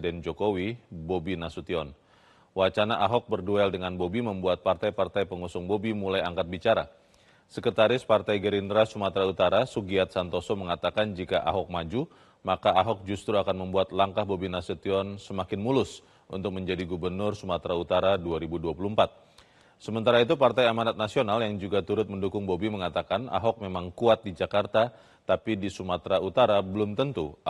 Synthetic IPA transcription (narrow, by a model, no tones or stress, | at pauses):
dɛnd͡ʒokowibobinasut̪iɔn | wat͡ʃanaʔaɦɔk̚bərduɛldəŋanbobiməmbuat̪̚part̪ajpart̪ajpəŋusʊŋbobimulajaŋkat̪̚bit͡ʃaɾa̰ | səkət̪aɾɪspart̪ajɡəɾindɾasumat̪ɾaut̪aɾasuɡiat̪̚sant̪osɔməŋat̪akand͡ʒikaʔa̰ɦɔk̚mad͡ʒu | makaaɦɔk̚d͡ʒust̪ɾuakanməmbuat̪laŋkahbobinasət̪iɔnsəmakɪnmulʊs | unt̪ʊk̚məɲd͡ʒadiɡubərnʊrsumat̪ɾaut̪aɾaduaɾibuduapulumpat̪̚ | səmənt̪aɾait̪̬upart̪ajamanat̪̚nasionaljaŋd͡ʒuɡat̪uɾʊt̪̚məndukʊŋbobiməŋat̪akana̰ɦɔk̚memaŋkuat̪̚did͡ʒakart̪a | t̪apidisumat̪ɾaut̪aɾabəlʊmt̪ənt̪u